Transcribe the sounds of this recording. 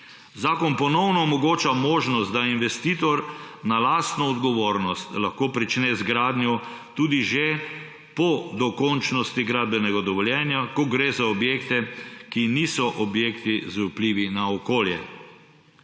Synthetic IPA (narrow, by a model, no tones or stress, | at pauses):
zaːkɔnpɔnɔwnɔːmɔɡoːt͡ʃamoːʒnɔst̪d̪ainʋɛst̪iːt̪ɔɾnalast̪nɔːd̪ɡɔʋoːɾnɔst̪laxkoːpɾit͡ʃnɛzɡɾaːd̪njɔ | t̪uːd̪iʒe | pɔd̪ɔkɔnt͡ʃnɔst̪iɡɾaːd̪̚bɛnɛɡad̪ɔʋɔljɛːnjakɔɡɾezaɔbjekt̪ɛkiniːsɔʔɔbjeːkt̪izupliːʋinaɔkoːljɛ